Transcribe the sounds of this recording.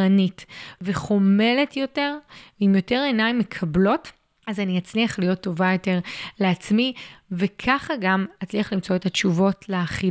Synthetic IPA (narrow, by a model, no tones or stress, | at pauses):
anitveχo̞me̞le̞tjo̞te̞ʁveimjo̞te̞ʁe̞najmːe̞kʰablo̞t | azanihat͡sniaχlijo̞tːo̞vajo̞te̞ʁle̞at͡smivekʰaχaɡamat͡sliaχlimt͡so̞etat͡ʃuvo̞tleːχi